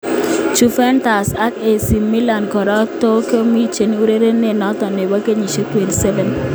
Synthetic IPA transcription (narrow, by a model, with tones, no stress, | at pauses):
t͡ʃu˨fɛ˦nta˨sa˦ke˨si˨mi˦la˨nkɔ˨ɾa˦to˦ko˦mi˦t͡ʃe˨ni˦u˦ɾe˦ɾe˦ne˦˨nɔ˦t̪ɔ˨ne˨wa˦ke˦ɲi˨ʃe˦twe˨nsɛ˦vɛ˨n